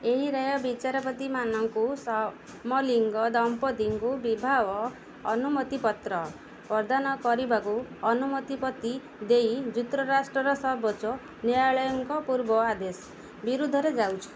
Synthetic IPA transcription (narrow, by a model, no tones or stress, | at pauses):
eɦiɾajɔbit͡ʃaɾɔpɔt̪imanɔŋkusɔ | mɔliŋɡɔd̪ɔmpɔd̪iŋkubibʱaʋɔː | numɔt̪ipɔt̪ɾɔ | pɔɾd̪anɔkɔɾibakuɔnumɔt̪ipɔt̪i | d̪ejd͡ʒut̪ɾɔɾasʈɾɔɾɔsɔbɔt͡ʃɔ | neaɭɔjɔŋkɔpuɾbɔad̪esɔ̥ | biɾud̪ʱɔɾed͡ʒawt͡ʃʰɔ̥